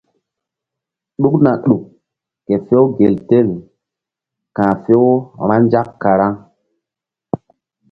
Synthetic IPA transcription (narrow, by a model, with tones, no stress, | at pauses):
ɗu˦kna˨ɗu˨kː | e˨fe˦wɡe˨lte˦˨l | kãː˨fe˦wɾ̃ã˦nd͡ʒa˦kːa˨ɾa˦ŋ